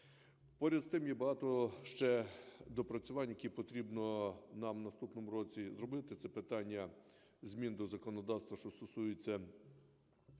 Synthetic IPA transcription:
pɔɾʲɐd̪st̪ɪmjɛbɐɦɑt̪ɔʃt͡ʃɛd̪ɔpɾɐt͡sʲʊʋɑnʲjɐkʲipɔt̪ɾʲibnɔnɑmnɐst̪upnɔmuɾɔt͡sʲizrɔbɪt̪ɪt̪sɛpɪt̪ɑnʲːɐ | zʲmʲind̪ɔzɐkɔnɔd̪ɑwst̪ʋɐʃt͡ʃ̪ɔst̪ɔsujɪt͡sʲːɐ

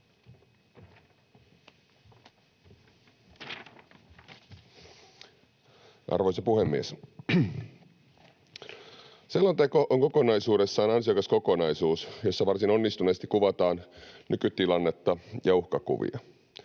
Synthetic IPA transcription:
ʔɑ̰rʋojsɑpuhemːies | selːɑnt̪eko̞ʔoŋko̞ko̞nɑjsuːɾe̞sːɑːnɑnsiɑkɑsko̞ko̞nɑjsuːsjo̞sːɑʋɑrsino̞nːist̪uneːst̪i̥kuʋɑt̪ɑːnnykyt̪ːilɑnːe̞t̪ːɑjɑuhkɑkṵʋḭɑ

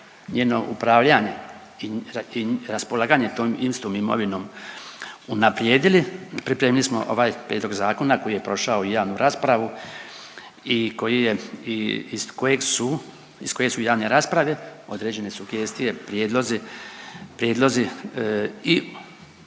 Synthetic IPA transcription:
ɲeːno̞ʔupɾaːʋʎaɲe̞ | iiɾaspolˠaːɡaɲe̞t̪oːmimst̪ʋoːmimo̞̰ʋino̞ːm | unapɾjeːd̪ilipɾipɾeːmilismo̰ʔo̞̰ʋaːjpɾjed̪lo̞ɡzaːko̞nako̞jije̞pɾo̞ʃaoijaːʋnuɾʔaːspɾaʋu | iko̞jijeiisko̞je̞ɡsu | isko̞je̞sujaːʋne̞ɾaːspɾaʋe̞o̞d̪ɾe̞ːd͡ʑe̞ne̞suɡje̞ːst̪ije̞pɾjeːd̪lo̞zi | pɾjeːd̪lˠo̞zi | i

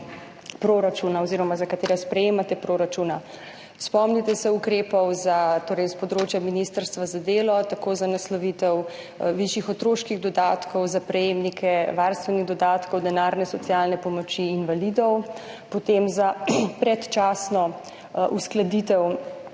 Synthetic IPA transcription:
pɾoɾat͡ʃunaɔziɾɔmazakat̪eːɾɛspɾɛjeːmat̪ɛpɾoːɾat͡ʃuːna | spɔmnit̪ɛsɛukɾeːpɔwzat̪oːɾɛɪjspɔd̪ɾoːt͡ʃjaminist̪əɾst̪ʋazad̪eːlɔt̪akoːzanaslɔʋit̪ɛw | ʋiʃjixɔt̪ɾoːʃkiɣd̪ɔd̪aːt̪kɔwzapɾɛjeːmnikʰɛʋaɾst̪ʋɛniɣd̪ɔd̪aːt̪kɔwd̪ɛnaːɾnɛsɔt̪sijaːlnɛpɔmɔt͡ʃiːnʋalid̪ɔw | pɔt̪emzapɾɛt̪t͡ʃaːsnɔ | ʔusklad̪it̪ɛw

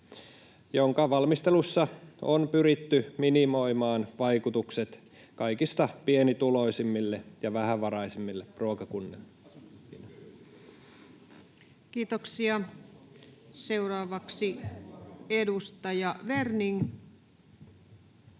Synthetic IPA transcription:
joŋkɑʋɑlmist̪elusːɑonpyɾit̪ːyminimo̞jmɑːnʋɑjkut̪ukset̪ | kɑikist̪ɑpienit̪uloisimːilːejɑʋæhæʋɑɾɑisimːilːepruokɑkunːelː | in | kiːt̪oksiɑ | seurɑːʋɑksi | edust̪ɑjɑʋerniŋ

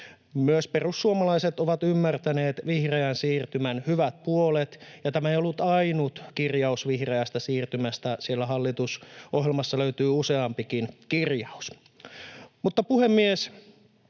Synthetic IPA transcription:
myøsperusːuomɑlɑiset̪oʋɑt̪ymːært̪æneːt̪ʋihreænsiːrt̪ymænhyʋæt̪̚puolet̪jɑt̪æmæejolːut̪ɑinut̪kirjɑusʋihreæst̪æsiːrt̪ymæst̪æsielːæɦɑlːit̪usʔohɦjelmɑsːɑløyt̪yːuseɑmpikinkirjɑus | mut̪ːɑpuhemːies

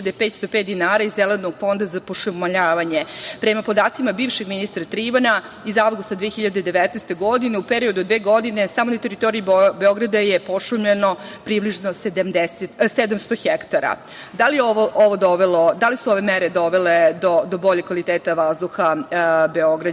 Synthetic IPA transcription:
id̪epeːt̪st̪o̞pet̪d̪inaːɾaizeled̪noɡfo̞nd̪azapoʃumaʎaːʋaɲepɾemapo̞d̪aːt̪simabiːvʃeɡminist̪ɾat̪ɾiʋana | izaʋɡust̪ad̪ʋijeçiʎad̪ed̪e̞ʋɛt̪nɛst̪e̞ɡod̪ineupeɾiod̪ud̪ʋeːɡo̞d̪ine̞saːmonat̪eɾit̪o̞ɾiibeoɡɾad̪ajepoʂumʎeno̞pɾibliʐno̞sed̪amd̪eset̪sed̪amst̪oxɛkt̪aɾa̰ | d̪alijeoʋoʔoʋo̞d̪oʋelo̞d̪alisuoʋe̞mɛɾed̪o̞ʋeled̪od̪obo̞ʎekːʋalit̪eːt̪aʋazd̪uxabeoɡɾa

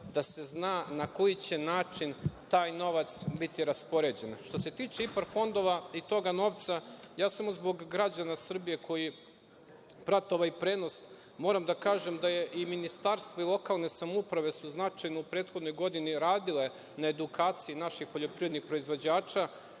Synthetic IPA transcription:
d̪ase̞znaːnako̞jit͡ɕe̞naːt͡ʃint̪aːjno̞ʋat̪sbit̪iɾaspo̞ɾe̞d͡ʑe̞nʃt̪o̞se̞t̪iːt͡ʃeipaɾfo̞nd̪o̞ʋait̪o̞ɡano̞ːʋt̪sajaːsamozbo̞ɡɡːɾad͡ʑanasr̩bije̞kʰo̞ji | pɾat̪oʋaipɾe̞no̞st̪ | mo̞ːɾamd̪akaːʒe̞md̪ajeʔiminist̪aɾst̪ʋoilˠo̞kalˠne̞samoupɾaʋe̞suznat͡ʃajnoupɾeːt̪xo̞d̪no̞jɡo̞d̪iniɾaːd̪ile | naed̪ukaːt̪sijinaʃixpo̞ʎo̞pɾived̪nixpɾo̞izʋo̞d͡ʑaːt͡ʃa

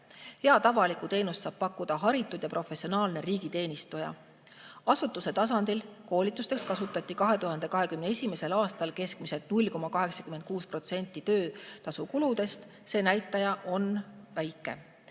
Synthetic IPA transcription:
heɑt̪ɑvɑlikut̪e̞ːnust̪sɑːb̥̚pɑkːˑud̪ɑɦɑɾit̪ːˑud̪̥jɑpro̞fe̞sːio̞nɑːlne̞ɾiːɡit̪e̞ːnist̪ujɑ̰ | ɑsut̪ːˑuse̞t̪ɑs̬ɑnd̪̥ilko̞ːlʲit̪ːˑust̪e̞kskɑsut̪ːˑɑt̪ʲːˑikɑɦe̞t̪uɦɑnd̪e̞kɑɦe̞kymneesʲime̞se̞lɑːst̪ɑlke̞skmise̞t̪̚nulʲko̞mɑkɑɦe̞ksɑ̥kymed̪̚kuːspro̞t̪se̞nʲt̪ːˑit̪ø̞ːt̪ɑsukulud̪e̞st̪ | se̞ːnæjt̪ˑːɑjɑʔo̞nvæjkːˑe̞̰

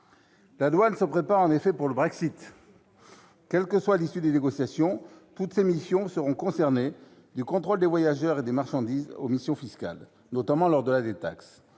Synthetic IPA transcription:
lalwansəpχepaʁɑ̃nefɛpuʁləbʁɛksit̪ | kʲɛlkəswalisyd̪eneɡɔsjasjɔ̃t̪ut̪semisjɔ̃səʁɔ̃kɔ̃sɛʁne | d̪ykɔ̃t̪χold̪evwajaʒœʁed̪emaʁʃɑ̃d̪izo̰misjɔ̃fiska̰l | nɔt̪amɑ̃lɔʁd̪əlad̪et̪aks

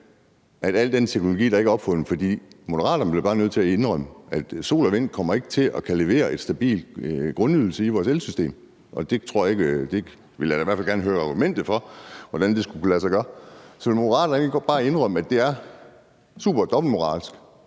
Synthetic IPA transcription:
ʔæd̥æl̰d̥ent͡sʰeɡ̥nolo̝ɡḭːdɑ̈e̝ɡ̥æɒb̥fɔ̽n̩fɒd̥ḭːmo̝d̥ɐʁɑ̰̈ːd̥ɐnb̥le̝b̥ɑ̈ːnøð̞̰ˠt͡sʰe̝æe̝nʁœm̰əæd̥so̝̰ːlɐʋe̝n̰d̥̚kʰɒ̽m̰ɐe̝ɡ̥ət͡sʰe̝ʔɒ̽kʰæle̝ʋe̝̰ːɐe̝d̥sd̥æb̥ḭːld̥ɡ̥ʁɔ̽nyð̞ˠl̩səiʋɒːselsysd̥e̝̰ːm | ʔɒ̽d̥e̝t͡sʰʁo̝ɐ̰jɑ̈e̝ɡ̥d̥e̝ | ʋe̝ljæiʋæɐfælɡæɐnəɦøːɐɑ̈ɡ̥umen̰d̥ð̩ˠfɒ̽ʋɒd̥ænd̥e̝sɡ̥ukulæsɑ̈ɡ̥ɶɐsɒ̽ʋe̝lmo̝dəʁɑ̰̈ːd̥ɾɐneɡɒb̥ɑ̈ːæe̝nʁœmæd̥e̝æɐ | sṵːb̥ɐd̥ɒ̽b̥l̩mo̝ʁɑ̰̈ːlsɡ̥

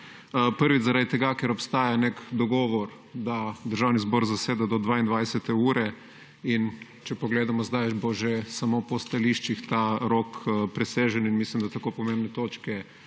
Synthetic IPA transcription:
pəɾʋizaɾad̪it̪ɛɡakɛɾɔpst̪aːjanekd̪ɔɡɔːʋɔɾ | d̪ad̪əɾʒawnizbɔːɾzaseːd̪ad̪ɔd̪ʋaind̪ʋajsɛt̪ɛuːɾɛ | in | t͡ʃɛpɔɡleːd̪amɔzd̪ajboʒɛsamopɔst̪aliʃt͡ʃixt̪aɾokpɾɛseːʒɛninmislimd̪at̪akoːpɔmẽmbnɛt̪oːt͡ʃkɛ

